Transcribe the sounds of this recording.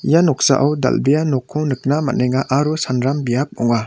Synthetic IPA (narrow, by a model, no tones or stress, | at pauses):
janɔk̚sa̰ʔawda̰lbijanɔkʰːɔnɯk̚nama̰nejŋaʔaɾusanɾambijap̚ɔŋa